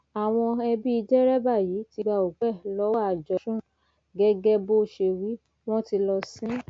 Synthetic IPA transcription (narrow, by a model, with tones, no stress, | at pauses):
a˨w̃ɔ̃˧ɛ˧bi˦i˧d͡ʒɛ˦ɾɛ˦ba˦˨ji˨˦ti˧ɡ͡ba˧o˨ɡ͡bɛ˦˨lɔ˦wa˦˨d͡ʒɔ˨ʃũ˦ | ɡɛ˧ɡɛ˧bo˦ʃe˧wi˨˦ | w̃ɔ̃˦ti˧lɔ˧sĩ˦